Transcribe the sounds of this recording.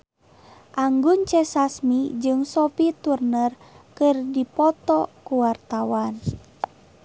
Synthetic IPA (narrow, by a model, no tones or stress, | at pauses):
ʔaŋɡunt͡ʃɛsasmid͡ʒɨŋsɔpit̪urnər | kɨrdipɔt̪ɔkuwart̪awan